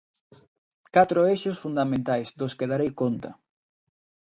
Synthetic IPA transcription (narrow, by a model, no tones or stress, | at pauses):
kat̪ɾoeʃʊsfund̪amẽnt̪ajsd̪oskeðaɾejkont̪ɐ̰